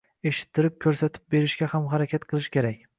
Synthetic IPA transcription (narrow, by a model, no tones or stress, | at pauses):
e̞ʃɪ̥t̪ʰːɪɾɪp̚kʲʰɵɾsat̪ʰɪ̥p̚be̞ɾɪʃɡʲahamɦaɾakʲʰat̪qʰɨlˠɪʃkʲʰeɾakʲ